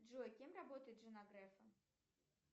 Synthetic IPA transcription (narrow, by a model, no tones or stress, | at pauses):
dʐoɐkʲemrabot̪əjɪt̪ʐɨnaɡɾɛfɐ